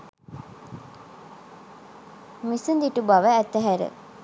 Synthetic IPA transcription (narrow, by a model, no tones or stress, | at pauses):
misund̪iʈubɐʋəæt̪ːæɦæɾə̰